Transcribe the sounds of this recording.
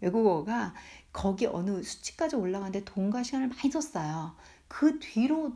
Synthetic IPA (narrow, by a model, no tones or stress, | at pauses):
we̞ɡuɡʌɡakʌɡiʔʌnɯsʰu̥t͡ɕʰi̥k͈ad͡ʑioɭːaɡande̞toŋɡaɕʰiɡanɯɭmaɲis͈ʰʌs͈ʌjo | kɯtɥiɾo